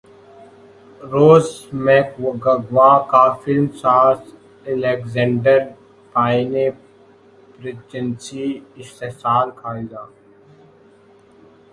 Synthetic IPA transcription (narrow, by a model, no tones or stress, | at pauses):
ɾoːzmekɡɐɡʋaːkafɪlmsaːɾs | ɛlekzɛ̃ɳɖəɾ | paːɪne | bɾɪt͡ʃənsiɪst̪esaːlkʰaːid̪aː